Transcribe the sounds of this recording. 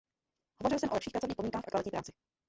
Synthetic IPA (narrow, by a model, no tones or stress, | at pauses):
hovorɪlsɛmʔolɛpʃiːxpɾat͡sovɲixpodmɲ̃iŋkaːxfʔa̰kvalɪcɲːipɾaːt͡sɪ̥